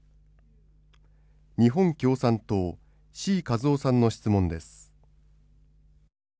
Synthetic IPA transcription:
ɲ̟iɦõ̞ŋkʲo̞ːsãnt̪oː | ɕiːkazo̞ːsãnːo̞ɕi̥t͡sɨmõ̞nd̪e̞sɨ̥

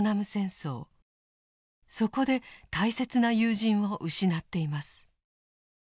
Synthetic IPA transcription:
namɯ̟sẽ̞ɰ̃so̞̰ː | so̞ko̞d̪e̞t̪aise̞t͡sɨnajɯːʑĩɰ̃βo̞ʔɯ̟ɕinat̪ːe̞imasɨ̥

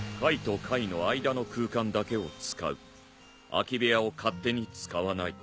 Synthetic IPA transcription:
kait̪o̞kʰaino̞aid̪ano̞kɯ̟ːkãnd̪ake̞o̞t͡sɨ̥ka̰ɯ̟ | a̰kʲibejao̞kʰat̪ːe̞ɲ̟it͡sɨ̥kaβanai

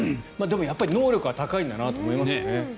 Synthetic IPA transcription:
maːd̪e̞mo̞japːaɾʲino̞ːɾʲo̞kɯ̟βat̪akaĩnd̪anat̪o̞ːmo̞imasɨone

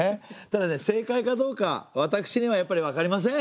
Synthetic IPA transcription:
et̪ad̪ane̞se̞ːkaikad̪o̞ːka̰βat̪akɯ̟̥ɕiɲ̟iβajapːaɾʲiβ̞akaɾʲimas̬ẽ̞

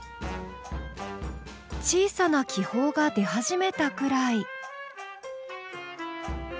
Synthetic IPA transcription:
t͡ɕiːsanakʲiho̞ːɡad̪e̞haʑime̞t̪akɯ̟ɾai

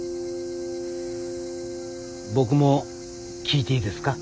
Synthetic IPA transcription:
bo̞k̬ɯ̟mo̞ | kʲiːt̪e̞id̪e̞sɨ̥ka

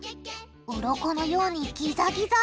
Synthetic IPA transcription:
ɯɾo̞ko̞no̞jo̞ːɲ̟ikʲizaɡʲiza

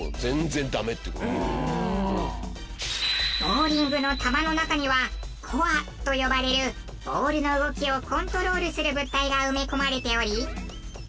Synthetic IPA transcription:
zẽ̞nzẽ̞nd̪ame̞t̪ːeko | bo̞ːɾʲĩŋɡɯ̟no̞t̪amano̞nakaɲ̟iβakʰoat̪o̞jo̞baɾe̞ɾɯ̟ | b̥o̞ːɾɯ̟no̞ɯ̟ɡo̞kʲio̞kõ̞nt̪o̞ɾo̞ːɾɯ̟sɨɾɯ̟bɯ̟t̪ːaiɡaɯ̟me̞ko̞maɾe̞t̪e̞o̞ɾʲi

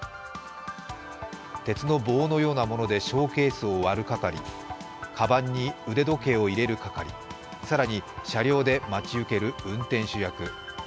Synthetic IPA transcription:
t̪e̞t͡sɨno̞bo̞ːno̞jo̞ːnamo̞no̞d̪e̞ɕo̞ːke̞ːsɨoβaɾɯ̟kakaɾʲḭ | kʰabãɲ̟ːiɯ̟d̪e̞d̪o̞ke̞ːo̞iɾe̞ɾɯ̟kakaɾʲḭ | saɾaɲ̟iɕaɾʲjo̞ːd̪e̞mat͡ɕiɯ̟ke̞ɾɯ̟ɯ̟̃nt̪ẽ̞ɰ̃ɕɨjakɯ̟

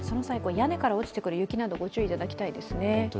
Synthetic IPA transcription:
so̞nosaiko̞jane̞kaɾaot͡ɕi̥t̪e̞kɯ̟ɾɯ̟jɯ̟kʲinad̪o̞ɡo̞t͡ɕɨːit̪ad̪akʲi̥t̪aid̪e̞sɨne̞

